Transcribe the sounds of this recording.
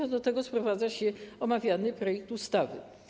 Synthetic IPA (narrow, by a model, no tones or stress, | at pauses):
ad̪ɔt̪ɛɡɔspɾɔvad̪zaɕɛɔmavʲjanɘpɾɔjɛk̚t̪ust̪avɘ̰